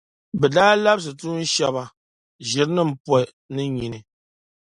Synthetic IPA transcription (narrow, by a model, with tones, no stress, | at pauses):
bɛ˨daː˦la˦bs̬ɨ˨tu˦n̩˦ʃa˦ba˨ | ʒi˨ɾnɨ˦m̩˨˦pwɛ˦ | nɨ˦ɲi˨nɨ˨